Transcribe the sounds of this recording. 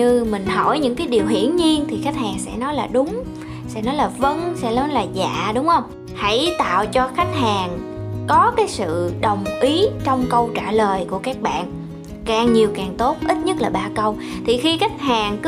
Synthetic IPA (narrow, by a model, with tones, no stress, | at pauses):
ɨ˧mï˨˩ŋ̟ɦɔ˧˩jɲɨ̰˧˥ŋkaː˨˦jɗi˨˩əwɦḭ˧˥ənɲi˧ənt̪ʰi˨˩xa˦˥jk̟̚haː˨˩ŋsɛ̰˧˥nɔ˨˦jlaː˨˩ɗʊ˨˦ŋ͡m | sɛ̰˧˥nɔ˨˦jlaː˨˩və˧nsɛ̰˧˥nɔ˨˦jlaː˨˩za̰ː˧˨ɗʊ˨˦ŋ͡mhə˧wŋ͡m | ha˧˥˩jt̪a̰ː˧˨wt͡ɕɔ˧xa˦˥jk̟̚haː˨˩ŋ | kɔ˨˦kaː˨˦jsɨ̰˧˨ɗə˨˩wŋ͡mʔi˨˦t͡ɕɔ˧wŋ͡mkə˧wt͡ɕaː˧˩ləː˨˩jku˧˩əkaː˦˥k̚ɓa̰ː˧˨n | kaː˨˩ŋɲi˨˩əwkaː˨˩ŋt̪o˦˥t̚ʔi˦˥t̚ɲə˦˥t̚laː˨˩ɓaː˧kə˧w | t̪ʰi˨˩xi˧xa˦˥jk̟̚haː˨˩ŋk